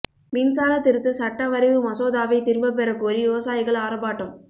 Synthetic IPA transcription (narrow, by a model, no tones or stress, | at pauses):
miːnsaːlɐt̪ːɪɾɯt̪ːɯsɐʈːɐʋɐɾɪʋɯmɐsoːðaːʋɐɪt̪ɪɾmbɐp̬ɛɾɐkoːɾiʋɪʋɐsaːjɪɣɐɭaːɾɐbaːʈːɯm